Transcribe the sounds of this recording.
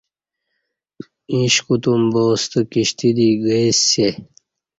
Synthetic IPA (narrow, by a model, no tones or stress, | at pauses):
ĩɕkut̪umboːst̪əkiɕt̪id̪iɡəjsːe